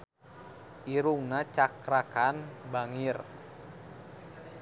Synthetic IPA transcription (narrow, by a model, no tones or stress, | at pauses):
ʔiɾuŋnat͡ʃakɾakanbaŋir